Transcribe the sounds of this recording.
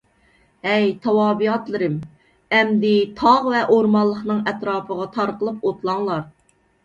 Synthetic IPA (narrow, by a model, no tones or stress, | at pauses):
ɛjt̪ʰɑwɑːbijɑt̪lˠɨɾɪm | ɛmd̪ɪt̪ʰɑʁvɛʔoɾmɑlˠːəχnɨŋɛt̪ɾɑːpʰəʁɑt̪ʰɑɾqəlˠɨpot̪lˠɑŋlˠɑɾ